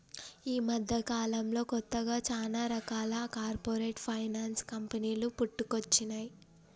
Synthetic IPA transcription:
iːmɐd̪ʱːɐkaːlɐmlo̞ːkɔt̪ːɐɡaːt͡ʃaːlaːɾɐkaːlɐkaːɾpoːɾeːʈpʰɐjnaːnskɐmpɐniːlupuʈːukot͡ʃːinaːji

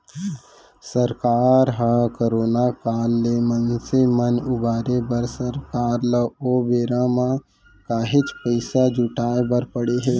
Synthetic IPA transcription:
səɾkaːɾɦãkoɾoːnakaːlːeːmənsemənʊbaːɾebəɾsəɾkaːɾləoːbeːɾãmã | kaːɦɪt͡ʃpəɪsad͡ʒʊʈaːebəɾpəɽeɦɛː

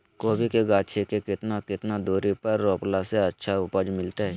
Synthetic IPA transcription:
koːbʱikeɡaːt͡ʃʰekekɪt̪nakɪt̪nad̪uːɾipɐɾːoːplaseɐtːʃʰaʊpəd͡ʒmɪlt̪aɦɛː

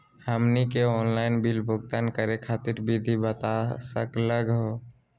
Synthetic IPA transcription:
həmnikeɔːnlaɪnbilbʱʊɡt̪ankəɾekʰat̪ɪɾbid̪ʱibət̪asə̰kləɡɦo

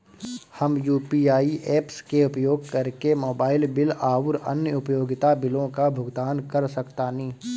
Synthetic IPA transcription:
həmjuːpiːaːiʔɛːpskeʊpjoːɡ̚kɐɾkemoːbaːɪlbɪlaːʊɾɐ̰njəʊpjoːɡɪt̪abɪlõkabʱʊɡd̪aːnkɐɾsɐkt̪aːnĩː

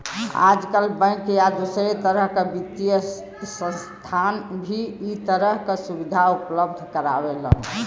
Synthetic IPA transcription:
a̰d͡ʒkəlbə̃kjad̪usɾet̪əɾəɦkebit̪ːijə | sə̃nst̪ʰanbʱiːt̪əɾəɦkesubid̪ʱaupləb̚d̪ʱkəɾa̰belə̰n

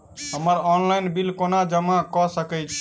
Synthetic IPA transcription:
ɦəməɾɔnlajnbilkonad͡ʒəmakɔsəkət͡ʃʰ

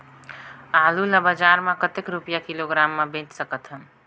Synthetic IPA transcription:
aːluləbəd͡ʒaɾmẽkət̪ekɾupjakiloɡɾaːmːebẽt͡ʃsəkət̪ɦə

